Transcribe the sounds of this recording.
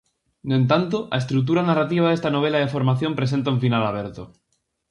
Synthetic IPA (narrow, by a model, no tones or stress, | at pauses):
noent̪ant̪oa̰est̪ɾuk̚t̪̬uɾanarat̪̬iβ̞aðest̪anoβ̞e̞laðefoɾmaθjo̞mpɾe̞s̬ent̪̬aũɱfinalaβ̞eɾt̪o